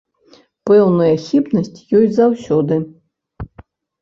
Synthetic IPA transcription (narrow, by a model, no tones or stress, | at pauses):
pɛwnɐjɐxʲipnɐsʲt͡sʲjɔjzawsʲɔd̪ɨ